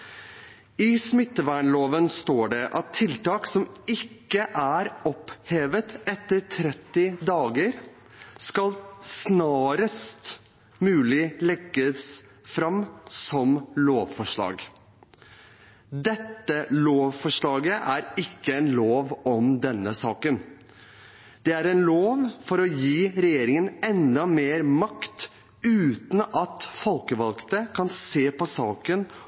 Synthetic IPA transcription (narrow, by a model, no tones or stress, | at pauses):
ɪsmɪt̪ːəʋæɳloːʋənst̪oːɖɛʔɑt̪ʰːɪlt̪ɑːksɔmɪkːəʔæɾɔpheːʋət̪ɛt̪ːəɾt̪ʰɾɛt̪ːɪd̪ɑːɡəɾ | skɑlsnɑːɾəst̪ | mʉːlɪlɛɡːəs | fɾɑmsɔmloːʋfɔʂɭɑ̰ːɡ | d̪ɛt̪ːəloːʋfɔʂɭɑːɡəʔæɾɪkːəɛnloːʋɔmd̪ɛnːəsɑːkən | d̪̥ɛæɾɛnloːʋfɔɾɔjiːɾɛjeːɾɪŋənɛnd̪ɑmeːɾmɑkt̪ | ʉːt̪n̩ɑt̪fɔlkəʋɑlkt̪əkʰɑnseːpɔsɑːkən